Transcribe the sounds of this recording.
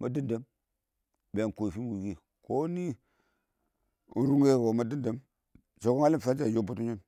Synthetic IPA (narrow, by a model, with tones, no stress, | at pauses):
mʔa˨di˦nda˨˦m | be˨ko˨fi˦mwu˨ɡi˦ | ko˦ni˦˨˦ | n̩˦ɾu˦ŋ˦e˦˨wo˨ma˦di˦nda˨˦m | t͡ʃo˨ɡo˦ŋa˦li˦m˨fa˦d͡ʒa˨jo˦bu˦tu˦ɲi˦n